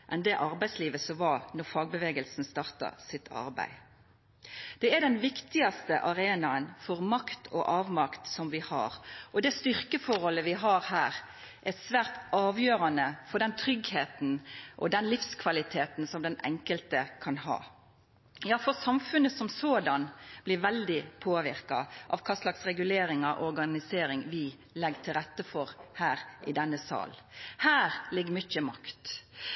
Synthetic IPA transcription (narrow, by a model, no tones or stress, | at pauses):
ʔɛnd̪ɛʔɑɾbæɪsliːʋəsɔʋɑnɔʁfɑːɡ̚bəʋeːɡəlsn̩st̪ɑʁt̪ɑ̰sɪt̪ʰɑ̰ɾbæ̰ɪ | d̪̥ɛæd̪ɛnʋɪkt̪ɪɑst̪ə̰ʔɑʁeːnɑənfɔʁmɑkt̪ʰɔʔɑːʋmɑkt̪sɔmʋɪhɑ̰ːɾʔɔd̪ɛst̪ʏʁkəfɔɾɔləʋɪɦɑɾhæːʁ | ʔɛtsʋæːɾt̪ɑːʋjøːʁɑnəfɔʁɖ̪ɛnt̪ʰʁʏɡheːt̪n̩ʔɔ̰d̪ɛnlɪfskʰʋɑlɪt̪ʰeːt̪n̩sɔmd̪ɛnɛ̰ŋkəlt̪əkʰɑnhɑ̰ː | jɑːfɔʁsɑmfʉnəsɔmsoːd̪ɑnb̥lɪɾʋɛld̪ɪpʰoːʋɪɾkɑ̰ʔɑ̰ʋkʰɑːslɑksʁɛɡʉleːɾɪŋɑʔɔɾɡɑnɪseːɾɪŋʋɪ | lɛɡt̪ʰɪlɾɛt̪ːəfɔɾhæːɾʔɪd̪ɛnːəsɑ̰ːlhæːɾlɪɡːəmʏçəmɑ̰kt̪